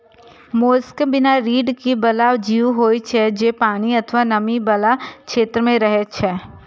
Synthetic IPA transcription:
moːskbɪnaɾiːɖkibɐlaːwd͡ʒiːuɦoːit͡ʃʰɛd͡ʒeːpaːɽ̃iɐt̪ʰʋanɐmibɐlakʃeːt̪ɾəmẽɾɐɦɛt͡ʃʰɛː

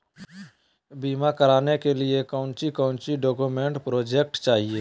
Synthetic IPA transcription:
biːmakəɾaːnekeliekə̃ʊ̃nt͡ʃikə̃ʊ̃nt͡ʃiɖoːkumeɳʈpɾoːd͡ʒek̚ʈt͡ʃaːɦie

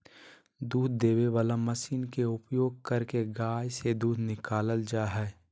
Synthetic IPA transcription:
d̪uːd̪̚ːeːweʋaːlamɐsiːnkeʊpjoːɡ̚kɐɾkeɡaːjsed̪uːd̪nɪkaːləld͡ʒaːɦɛː

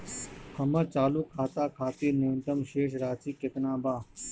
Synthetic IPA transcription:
həməɾt͡ʃaːluːkʰːaːt̪aːkʰaːt̪iːɾnõːnt̪əmʃeːʃɾaːt͡ʃiːket̪nãːbaː

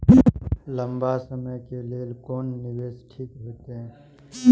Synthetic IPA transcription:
lə̃mbasəməjkeleːlkoːnːɪweːsʈʰiːkɦoːt̪eɦɛ̃ː

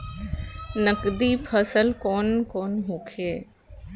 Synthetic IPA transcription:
nəkd̪iːpʰəsəlkoːnkoːnɦũːkʰeː

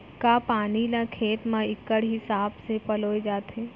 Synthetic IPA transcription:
kapaːnilakʰeːʈ̪mãɪkːəɽɦɪsaːbsepəloːjd͡ʒaːt̪ɦeː

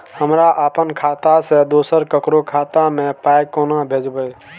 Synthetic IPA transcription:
həmɾaʔəpənkʰat̪asẽd̪osəɾkəkɾokʰat̪amepajkonabʱed͡ʒbəj

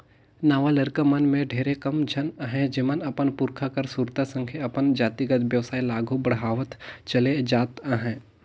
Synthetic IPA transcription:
naːʋalɐɾkəmɐnmẽɖʱeːɾekɐmd͡ʒʱɐnəɦɛ̃d͡ʒɪmənɐpənpʊɾkʰakɐɾsuːɾt̪asə̃ŋkʰjəɐpənd͡ʒaːt̪iɡət̪ʋjəʋsaːilaːɡʱubɐɽɦaːʋət̪t͡ʃɐled͡ʒaːt̪əɦɛ̃ː

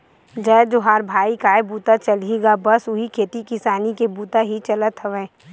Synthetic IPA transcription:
d͡ʒəːd͡ʒoɦaːɾbʱaːikaːebuːt̪at͡ʃɐliɡabɐsʊɦikʰeːt̪ikɪsaːnikebuːt̪aɦit͡ʃɐlət̪ɦəʋɛ̃ː

